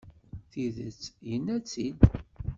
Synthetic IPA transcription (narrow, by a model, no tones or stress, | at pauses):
θiðət͡sːjənːæt͡sːid̪